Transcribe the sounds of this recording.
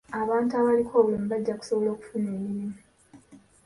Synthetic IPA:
aβaːntuaβalikʰo̞ːβuloːmiβaɟːaku̥soβolo̞ːku̥funeːmːiɾimi

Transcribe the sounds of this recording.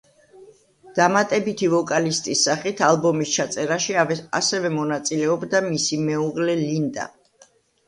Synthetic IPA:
d̪̥amat̪ʼɛbit̪ʰivɔkʼalist̪ʼisːaχit̪ʰalˠbɔmist͡ʃʰat̪sʼɛɾaʃia̰sɛvɛmɔnat̪sʼilɛɔbd̪amisimɛuʁlɛlind̪a̰

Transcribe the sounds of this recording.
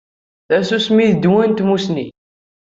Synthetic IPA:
θæsusmiðd̪wænt̪musni

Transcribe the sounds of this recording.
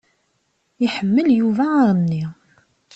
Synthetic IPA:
iħəmːəljuvaɾˤənːi

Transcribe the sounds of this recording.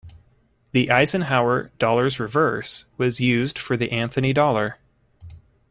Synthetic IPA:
ðiʔaɪzɨ̃nɦaʊə˞d̥ɔlˠə˞zɹɨvɜ˞swʌzjʉzd̥fə˞ðiʔæ̃nθɨnidɔlˠə˞

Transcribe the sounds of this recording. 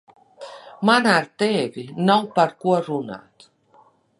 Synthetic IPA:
manaɾt̪evinawpaɾkuaruna̰t̪

